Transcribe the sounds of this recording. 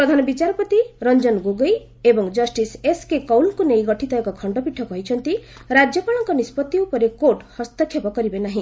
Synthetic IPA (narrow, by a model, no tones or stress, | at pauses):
pɾɔd̪ʱanɔbit͡ʃaɾɔpɔt̪iɾɔnd͡ʒɔnɡoɡɔj | ebɔŋd͡ʒɔsʈiseskekɔwlkunejɡɔʈʰit̪ɔjkɔkʰɔɳɖɔpiʈʰːɔkɔɦit͡ʃʰɔnt̪iɾad͡ʒjɔkɔɭ̃ɔŋkɔnispɔt̪ːiupɔɾekoʈhɔst̪ɔkʰjepɔkɔɾibenaɦĩ